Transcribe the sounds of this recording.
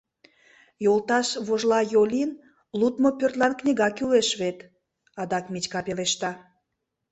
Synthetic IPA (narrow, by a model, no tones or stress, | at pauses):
jolˠt̪ɑʃβoʒlɑjolʲin | lut̪mopørt̪lɑnknʲiɣɑkyleʃβet̪ | ɑd̪ɑkmʲit͡ɕkɑpeleʃt̪ɑ